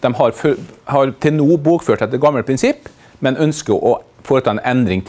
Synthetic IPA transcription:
d̪̥ɛmɦɑɾfhɑɾt̪ʰɪlnuːboːkføːʈɛt̪ːəɾɡɑməlpʰɾɪnsɪpː | mɛnœnskəɾʔɔfoːɾət̪ʰɑːɛnʔɛnd̪ɾɪŋt̪ʰ

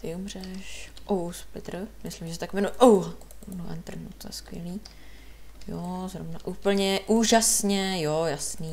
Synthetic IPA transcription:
t̪ɪumr̝ɛʃʔowspɪt̪ɾmɪslɪmʒɛsɛt̪akvɛnuɛʔowɦ | noʔɛ̰nt̪r̩nut̪oɛ̰skʋjɛ̰liː | jozɾovnaʔuːpl̩ɲɛʔuːʒasɲɛjojasniː

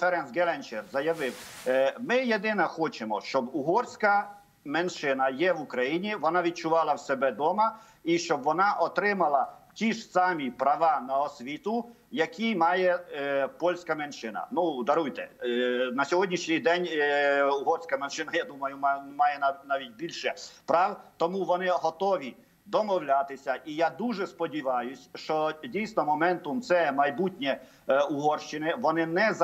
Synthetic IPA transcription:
fɛɾɛnsɡɛlˠɛnt͡ʃɛrzɐjɐʋɪwmɪjed̪ɪnɐxɔt͡ʃemɔʃt͡ʃɔbuɦɔrsʲkɐ | menʃɪnɐjɛʋukɾɐjinʲiʋɔnɑʋʲid̪̚t͡ʃʊʋɑlˠɐwsɛbɛd̪ɔmɐ | iʃt͡ʃɔbʋɔnɑʔɔt̪ɾɪmɐlˠɐtʲiʒsɑmʲipɾɐʋɑnɐɔsʲʋʲit̪ʊ | jɐkʰʲimɑjɛpɔlʲsʲkɐmenʃɪnɐ̰nud̪ɐɾujt̪ɛ̰nɐsʲɔɦɔdʲnʲiʃnʲijd̪ɛnʲʊɦɔrsʲkɐmɛnʃɪnɐjad̪umɐjʊmmɑjɛnnaʋʲit̚ʲbʲilʲʃɛpɾɑwt̪ɔmuʋɔnɪɦɔt̪ɔʋʲi | d̪ɔmɔwlʲat̪ɪsʲɐʔijad̪uʒɛspɔdʲiʋɑjʊsʲʃt͡ʃɔdʲijsnɔmɔmɛnt̪ʊmt̪sɛmɐjbutʲnʲɛ | ʊɦɔrʃt͡ʃɪnɪʋɔnɪnɛz

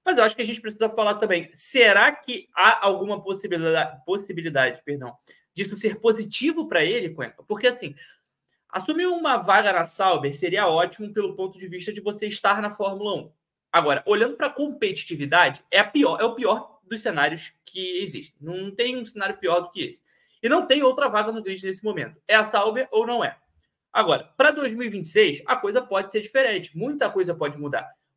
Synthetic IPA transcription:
mɐzewaʃʊ̥kʲɪɐʒẽnt͡ʃɪpɾes̬izɐfalaɾt̪ɐ̃bẽj̃seɾakɪaʔawɡũmɐposiaposibilid̪ad͡ʒɪpeɾd̪ɐ̃w̃ | d͡ʒisʊseɾpozit͡ʃivʊpɾɐelɪkõɛ̰̃kɐpoɾkeasĩ | a̰sũmiũmɐvaɡɐnɐsawbeɾseɾiɐɔt͡ʃimʊpelʊpõnt̪ʊd͡ʒɪviʃt̪ɐd͡ʒɪvoseɪʃt̪aɾnɐfɔɾmulɐũ | aɡɔɾɐʔoʎɐ̃nd̪ʊpɾɐkõpet͡ʃi̥t͡ʃivid̪ad͡ʒɪɛpiɔɾʔɛʊpiɔɾ | d̪ʊʃsenaɾijʊskʰɪeziʃt̪ẽj̃nɐ̃w̃nɐ̃w̃t̪ẽj̃ũsenaɾjʊpiɔɾd̪ʊkɪḛsɪ̥ | ɪnɐ̃w̃t̪ẽj̃owt̪ɾɐvaɡɐnʊɡlid͡ʒɪnesɪmõmẽnt̪ʊ̥ɛɐsawveɾownɐ̃w̃ɛ̰ | aɡɔɾɐpɾɐd̪ojzmiwivĩnt͡ʃɪ̥sejsɐkojzɐpɔd͡ʒɪseɾd͡ʒifeɾẽnt͡ʃɪ̥mũj̃t̪ɐkojzɐpɔd͡ʒɪmud̪a̰ɾ

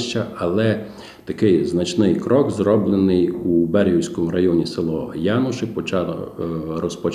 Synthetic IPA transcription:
ʃt͡ʃɐɐlˠɛ | t̪ɐkɪjznɐt͡ʃnɪjkɾɔɡzrɔblˠenɪjubɛɾʲɦuwsʲkɔmʊɾɐjɔnʲiselˠɔjɑnʊʃɪpɔt͡ʃɑ̰ | rɔspɔt͡ʃ

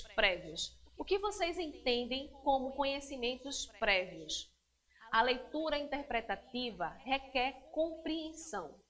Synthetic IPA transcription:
pɾɛviʊsʊkɪvosejzẽt̪ẽnd̪ẽj̃kõmʊkõɲesimẽnt̪ʊspɾɛviʊs | ɐlejt̪uɾɐĩt̪eɾpɾet̪at̪ivɐhekɛɾkõpɾiẽsɐ̰̃w̃

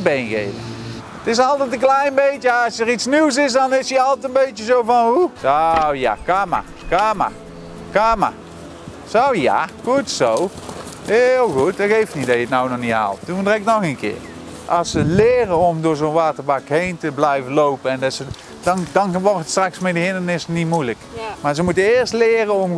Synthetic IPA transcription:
bejnɣḛjvə̰ | ətɪs̬ɑlˠtɛtə̃nklɛjnbejtəɑsəritsniws̬ɪs̬dɑnɪsiɑlˠtɛtənbejtəzowvɑnɦusowja̰kaːma̰ | kaːma̰ | kaːma̰ | sowja̰xutsow | ɦɪlˠɣutɑɣejftnitdɑjəətnawnɔxniɦa̰ːlˠt̚dundrɛk̚nɔxənkɪ̰ːr | ʔɑlˠsəlɪːrəɔmdʊːɹzonʋaːtəɹbɑkɦejntəblɛjvənlowpənɛndɑsə | d̥ɑndɑnʋɔrtətstrɑksmɛdəɦɪndənɪsnitmujləkmaːɹzəmutəɪːɹstlɪːrəɔm

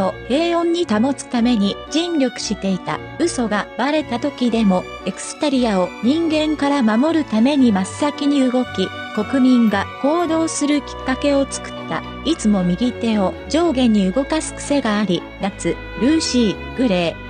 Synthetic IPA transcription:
o̞e̞ːõ̞ɲ̟ːit̪amo̞t͡sɨ̥t̪ame̞ɲ̟id͡ʑĩnɾʲo̞kɯ̟̥ɕit̪e̞it̪a̰ | ɯ̟so̞ɡabaɾe̞t̪at̪o̞kʲid̪e̞mo̞ | e̞kɯ̥sɨ̥t̪aɾʲiao̞ɲ̟ĩŋɡẽ̞ŋkaɾamamo̞ɾɯ̟t̪ame̞ɲ̟imasɨːakʲiɲ̟iɯɡo̞kʲi | ko̞kɯ̟mʲĩŋɡako̞ːd̪o̞ːsɨɾɯ̟kʲi̥kːake̞o̞t͡sɨ̥kɯ̥t̪ːa̰ | it͡sɨmo̞mʲiɡʲit̪e̞o̞d͡ʑo̞ːɡẽ̞ɲ̟ːiɯ̟ɡo̞kasɨ̥kɯ̥se̞ɡaːɾʲi | nat͡sɨ | ɾɯ̟ːɕiː | ɡɯ̟ɾe̞ː

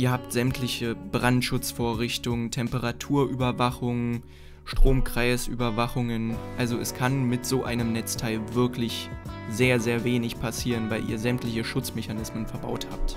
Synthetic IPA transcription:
ʔiːɐhaːp̚tz̥ɛmtʰlɪçəbʁantʃʊt͡sfoːɐʁɪçtʊŋtʰɛmpəʁatʰuːɐʔyːbɐvaχʊŋ | ʃtʁ̥oːmkʁ̥aɪsʔy̰ːbɐvaχʊŋənʔalzoɛskʰanmɪtz̥oːʔa̰ɪnəmnɛt͡stʰaɪlvɪɐklɪçzeːɐzeːɐveːnɪçpʰasiːʁənvaɪlʔḭːɐzɛmtlɪçəʃʊt͡smɛçanɪsmənfɛɐba̰ʊtha̰ːpt

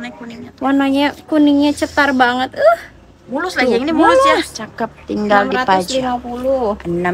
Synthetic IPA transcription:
kuniɲwanaɲakuniɲat͡ʃət̪arbaŋət̪əh | bulʊslad͡ʒaŋdibuʊljat͡ʃakəp̚t̪iŋɡaldiɾatpad͡ʒɡapulʊəna

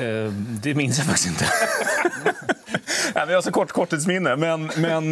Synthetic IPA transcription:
d̪ɛmɪnsjafak̚t̪ɪ̥sɪnt̪ə | næːmənjahaʂɔkʰɔʈːkʰɔʈːiːt̪smɪnːəmɛnmɛn

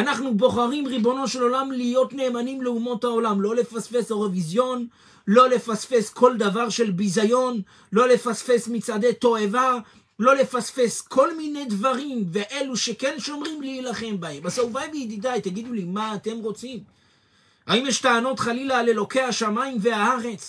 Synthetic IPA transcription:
anaχnubo̞χaʁimʁibo̞no̞ʃe̞lo̞lamlijo̞t̪ne̞ːmanimleumo̞thaolamlo̞le̞fasfe̞soʁevizjo̞n | lo̞le̞fasfe̞skʰo̞ld̪avaʁʃe̞lbizajo̞n | lo̞le̞fasfe̞smit͡sad̪e̞t̪o̞eva | lo̞le̞fasfe̞skʰo̞lmine̞jd̪vaʁimve̞ʔe̞luʃe̞kenʃo̞mʁimliːlaχe̞mbahe̞masauvajbeid̪id̪ajt̪aɡid̪ulimaːt̪e̞mʁo̞t͡sim | haimjɛʃtaːno̞tχalilaːle̞lo̞ke̞haʃamaimveaaʁe̞t͡s

